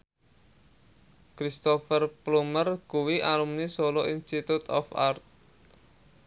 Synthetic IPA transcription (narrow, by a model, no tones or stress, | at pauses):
kɾist̪ɔfərplumərkuwiʔalumnisoloʔinst̪it̪ut̪ɔ̰fa̰rt̪̚